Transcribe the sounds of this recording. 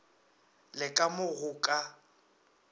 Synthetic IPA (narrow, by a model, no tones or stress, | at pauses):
lɪkʼamʊɣʊkʼa